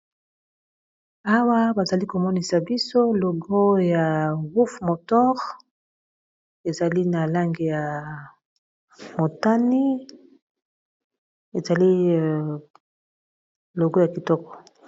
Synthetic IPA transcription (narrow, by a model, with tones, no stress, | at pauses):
a˦wa˦ba˨za˨li˦ko˨mɔ˦ni˨sa˨bi˦so˦lɔ˨ɡo˦ja˨ɣu˦fmo˨tɔ˦ʁ | e˨za˨li˦na˨la˦ŋɡe˨ja˨ | mo˨ta˦ni˦ | e˨za˨li˦ | lo˨ɡo˦ja˨ki˨tɔ˦kɔ̥˨